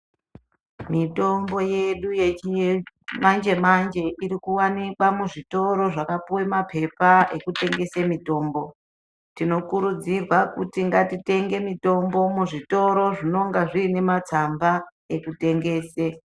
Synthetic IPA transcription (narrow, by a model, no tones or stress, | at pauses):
mito̞mbo̞jeɗujet͡ʃi | mand͡ʒe̞mand͡ʒe̞ʔiɾikuwanikwamuʐito̞ɾo̞ʐakapuwemapʰe̞pae̞kute̞ŋɡe̞semito̞ːmbo̞ | tino̞kuɾud͡zirwakutiŋɡatite̞ŋɡe̞mito̞mbo̞muʐito̞ɾo̞ʐino̞ŋɡaʐiːne̞mat͡samba | e̞kute̞ŋɡe̞ːse